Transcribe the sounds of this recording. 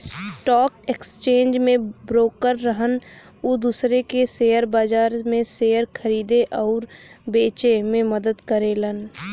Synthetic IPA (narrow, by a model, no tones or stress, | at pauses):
sʈɔːkekst͡ʃẽːnd͡ʒmẽbɾoːkəɾːəɦən | ʊd̪uːsɾekeseːjəɾbaːd͡ʒaːɾmẽseːəɾkʰəɾiːd̪eʔɔːɾbeːt͡ʃemẽməd̪əd̪kəɾelən